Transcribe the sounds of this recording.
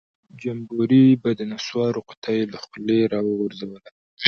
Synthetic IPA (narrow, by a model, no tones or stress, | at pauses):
d͡ʒambuɾibad̪ənaswɑɾoqʊ̥t̪ʰajelaxʊleɾɑwɾzawəla